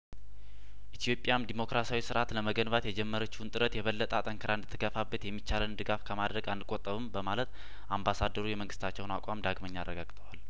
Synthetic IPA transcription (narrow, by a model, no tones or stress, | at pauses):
ʔit̪ʰjo̞pʼjamd̪imo̞kɾasawisɨɾat̪ləməɡənbat̪jɛd͡ʒɛmːəɾət͡ʃːunt̪ʼɨɾət̪jɛβəlːət̪ʼat̪ʼəŋkʰəɾand̪ɨt̪ʰːɨɡəfabːət̪jɛmːit͡ʃːalənd̪ɨɡafkʰəmad̪ɾəɡand̪ɨkʼot̪ʼːəβɨmbəmalət̪ | ʔambasad̪əɾujɛməŋɡɨst̪ʰat͡ʃːɛwʊnakʷʼamd̪aɡməɲːarːəɡaɡt̪ʰʼəwal